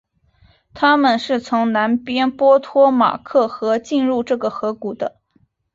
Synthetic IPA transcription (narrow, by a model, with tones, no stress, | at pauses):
t̪ʰa˥mə˨nʂɻ̩˥˩t͡sʰʊ˧˥ŋna˧˥npjɛ˥npwɔ˥t̪ʰwɔ˥ma̰˨˩kʰɤ˥˩xɤ˧˥t͡ɕi˥˧nɻu˥˧ʈ͡ʂɤ˥˩ɡə˩xɤ˧˥ku˨˩d̪ə˦